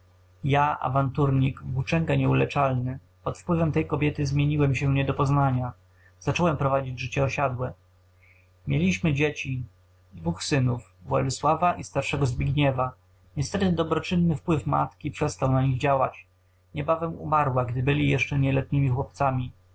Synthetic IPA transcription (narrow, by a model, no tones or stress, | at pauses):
jaʔa̰vant̪uɾɲiɡvbut͡ʂɛŋkɛɲɛulɛt͡ʂalnɘ | pɔt̪fpwɘvɛmt̪ɛjkɔbʲjɛt̪ɘzmʲjeɲiwɛmɕɛɲɛd̪ɔpɔznaɲa | z̥at͡ʂɔwɛmpɾɔvad͡ʑid͡ʑʐɘt͡ɕɛɔɕad̪wɛ | mʲjelʲiɕmɘd͡ʑet͡ɕi | d̪vuxsɘnuv | vwɔ̰luswavaʔist̪aɾʂɛɡɔzbʲiɡɲɛva | ɲɛst̪ɛt̪ɘd̪ɔbɾɔt͡ʂɘnːɘfpwɘfma̰t̪kʲipʂɛst̪awnaɲiɣd͡ʑawa̰t͡ɕ | ɲɛbavɛmṵmaɾwaɡd̪ɘbɘlʲijɛʂt͡ʂɛɲɛlɛt̪ɲimʲixwɔp̚t̪samʲi